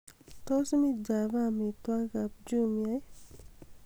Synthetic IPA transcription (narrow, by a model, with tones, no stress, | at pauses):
t̪ɔ˦smi˦d͡ʒa˨bami˨t̪wa˦ka˨p̚d͡ʒu˦mia˦j